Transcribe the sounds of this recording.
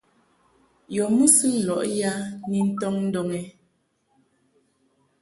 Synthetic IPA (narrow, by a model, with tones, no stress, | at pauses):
jɔ˨mu˦sɨ˦n̩˨lɔ˨ʔja˦ni˨n̩˦tɔ˦ŋn̩˦dɔ˨ŋɛ˨